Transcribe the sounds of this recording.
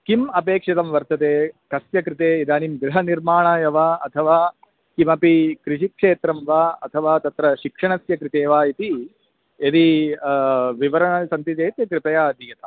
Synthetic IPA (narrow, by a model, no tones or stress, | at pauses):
kimɐpeːkʂɐt̪ɐmʋɐɾt̪ɐt̪eːkɐsjɐkɾɪt̪eːid̪aːnimɡɾɪɦɐniɾmaːɳaːjɐʋaːɐt̪ʰɐʋaː | kimɐpikɾɪʂikʂeːt̪ɾɐmʋaːɐt̪ʰɐʋaːt̪ɐt̪ɾɐʃikʂɐɳɐsjɐkɾɪt̪eːʋaːit̪i | ed̪i | ʋiʋɐɾɐɳɐsɐnt̪it̪eːt̪jɐkɾɪpɐjaːɐd̪ʱijɐt̪ʰɐ